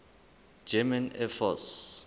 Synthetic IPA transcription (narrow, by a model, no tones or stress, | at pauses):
d͡ʒɛmɛ̃nɛfɔs